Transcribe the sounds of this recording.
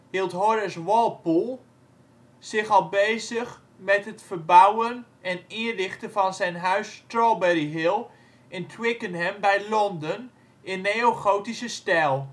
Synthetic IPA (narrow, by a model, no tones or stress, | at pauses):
hilˠtɦɔɾəsʋɔlˠpulˠ | sɪχɑlˠbejzəχ | mɛtɦətfəɹbawənʔɛnɪədɪχtəvɑnzɛjnɦœɥstrɔlˠbɛriɦɪlˠ | ʔɪntʰwɪkənɦɛmbɛjlɔndən | ɪnːeoχowtisəstɛlˠ